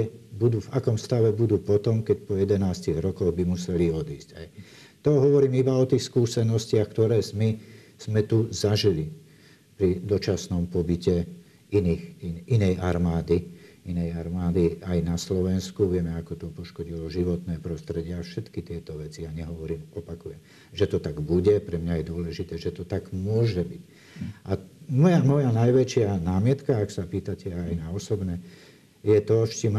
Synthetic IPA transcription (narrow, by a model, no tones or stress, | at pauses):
ɛbud̪uːvakɔmst̪aʋɛbud̪uːpɔt̪ɔmkɛcpɔjɛd̪ɛnaːsciɣɾɔkɔɣbimusɛliɔd̪iːscaj | t̪ɔɦɔʋɔɾiːmibaɔt̪iːxskuːsɛnɔscɪaxkt̪ɔɾɛːzmi | z̥mɛt̪uzaʒili | pɾid̪ɔt͡ʃasnɔmpɔbicɛ | iniːxiinɛjaɾmaːd̪i | inɛjaɾmaːd̪iajnaslɔʋɛnskuʋɪɛmɛakɔt̪ɔpɔʃkɔɟilɔʒiʋɔt̪nɛːpɾɔst̪ɾɛɟɪɛafʃɛt̪kit̪ɪɛt̪ɔʋɛt͡sijaɲɛɦɔʋɔɾiːmɔpakujɛm | ʒɛt̪ɔt̪aɡbuɟɛpɾɛmɲajɛd̪ʊɔlɛʒit̪ɛːʒɛt̪ɔt̪aɡmʊɔʒɛbic | ʔamɔjamɔjanajʋɛt͡ʃɪanaːmɪɛt̪kaaksapiːt̪acɛajnaɔsɔbnɛ | jɛt̪ɔʃcim